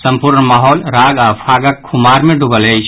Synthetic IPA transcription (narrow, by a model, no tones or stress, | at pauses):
sɐ̃mpʊɾɳmaːɦɔːlɾaːɡapʰaːɡəkʰːʊmaːɾmẽɖʊbəleːd͡ʒ